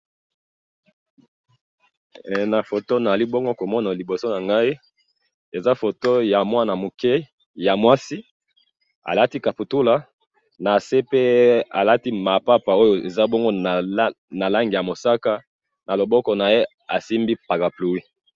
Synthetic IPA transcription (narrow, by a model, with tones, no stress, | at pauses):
na˨fo˨to˦na˨za˨li˦bɔ˦ŋɡo˦ko˨mɔ˦na˨li˨bo˨so˦na˨ŋɡa˦i˦ | e˨za˦fo˨to˦ja˨mwa˦na˨mo˨kɛ˦ | ja˨mwa˦si˦ | a̰˨la˦ti˦ka˨pu˨tu˦la˨ | na˨se˦pe˦a̰˨la˦ti˦ma˨pa˦pa˨o˦jo˨e˨za˦bɔ˦ŋɡo˦˨ | na˨la˦ŋɡi˨ja˨mo˨sa˦ka˦ | na˨lo˨bɔ˦kɔ˨na˨je˦ | a˨si˦mbi˦pa˨ka˨plu˨wi˦